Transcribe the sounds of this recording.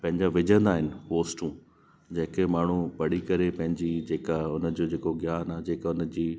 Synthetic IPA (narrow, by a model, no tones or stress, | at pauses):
pɐ̃ɦɪ̃ɲd͡ʑaʋɪd͡ʑʱə̃nd̪aːɦɪnɪ̆ɦoːsʈũː | d͡ʑɐ̃ɦɪ̃kemaːɳ̤ũpɐɽ̤ikɐɾepɐ̃ɦɪ̃ɲd͡ʑid͡ʑeːkaʊnə̆d͡ʑod͡ʑeːkoɡjaːnad͡ʑeːkaʊnə̆d͡ʑiː